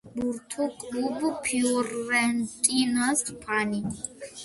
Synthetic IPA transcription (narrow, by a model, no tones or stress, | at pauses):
buɾt̪ʰukʼubupʰiɔɾɛnt̪ʼinast̪pʰani